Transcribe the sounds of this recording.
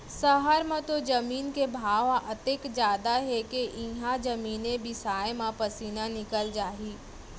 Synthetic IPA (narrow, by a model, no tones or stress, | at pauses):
səɦəɾmãt̪od͡ʒɐmiːnkebʱaːʋãʔət̪eːkd͡ʒjaːd̪aɦekeʔĩɦãd͡ʒɐmiːnebɪsaːemãpɐsiːnanɪkəld͡ʒaːɦiː